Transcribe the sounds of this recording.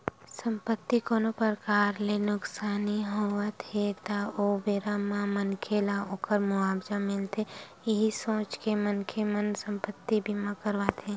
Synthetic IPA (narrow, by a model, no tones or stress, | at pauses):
sə̃mpət̪ːikoːnopəɾəkaːɾlenʊksaːniɦoʋat̪ʰet̪aoːbeːɾamãmənkʰelaoːkəɾmʊaːbd͡ʒamɪlt̪e | ɪɦisõːt͡ʃkemənkʰemənsə̃mpət̪ːibʱimãkəɾʋat̪ʰẽː